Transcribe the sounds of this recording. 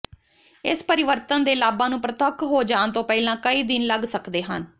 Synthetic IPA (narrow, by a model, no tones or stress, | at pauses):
ɪ̰spəɾɪʋəɾt̪ənd̪eːlaːbãːnũːpɾət̪əkɦoːd͡ʒaːnt̪õːpɛːlãːkəiːd̪ɪnləɡsəkd̪eːɦə̰n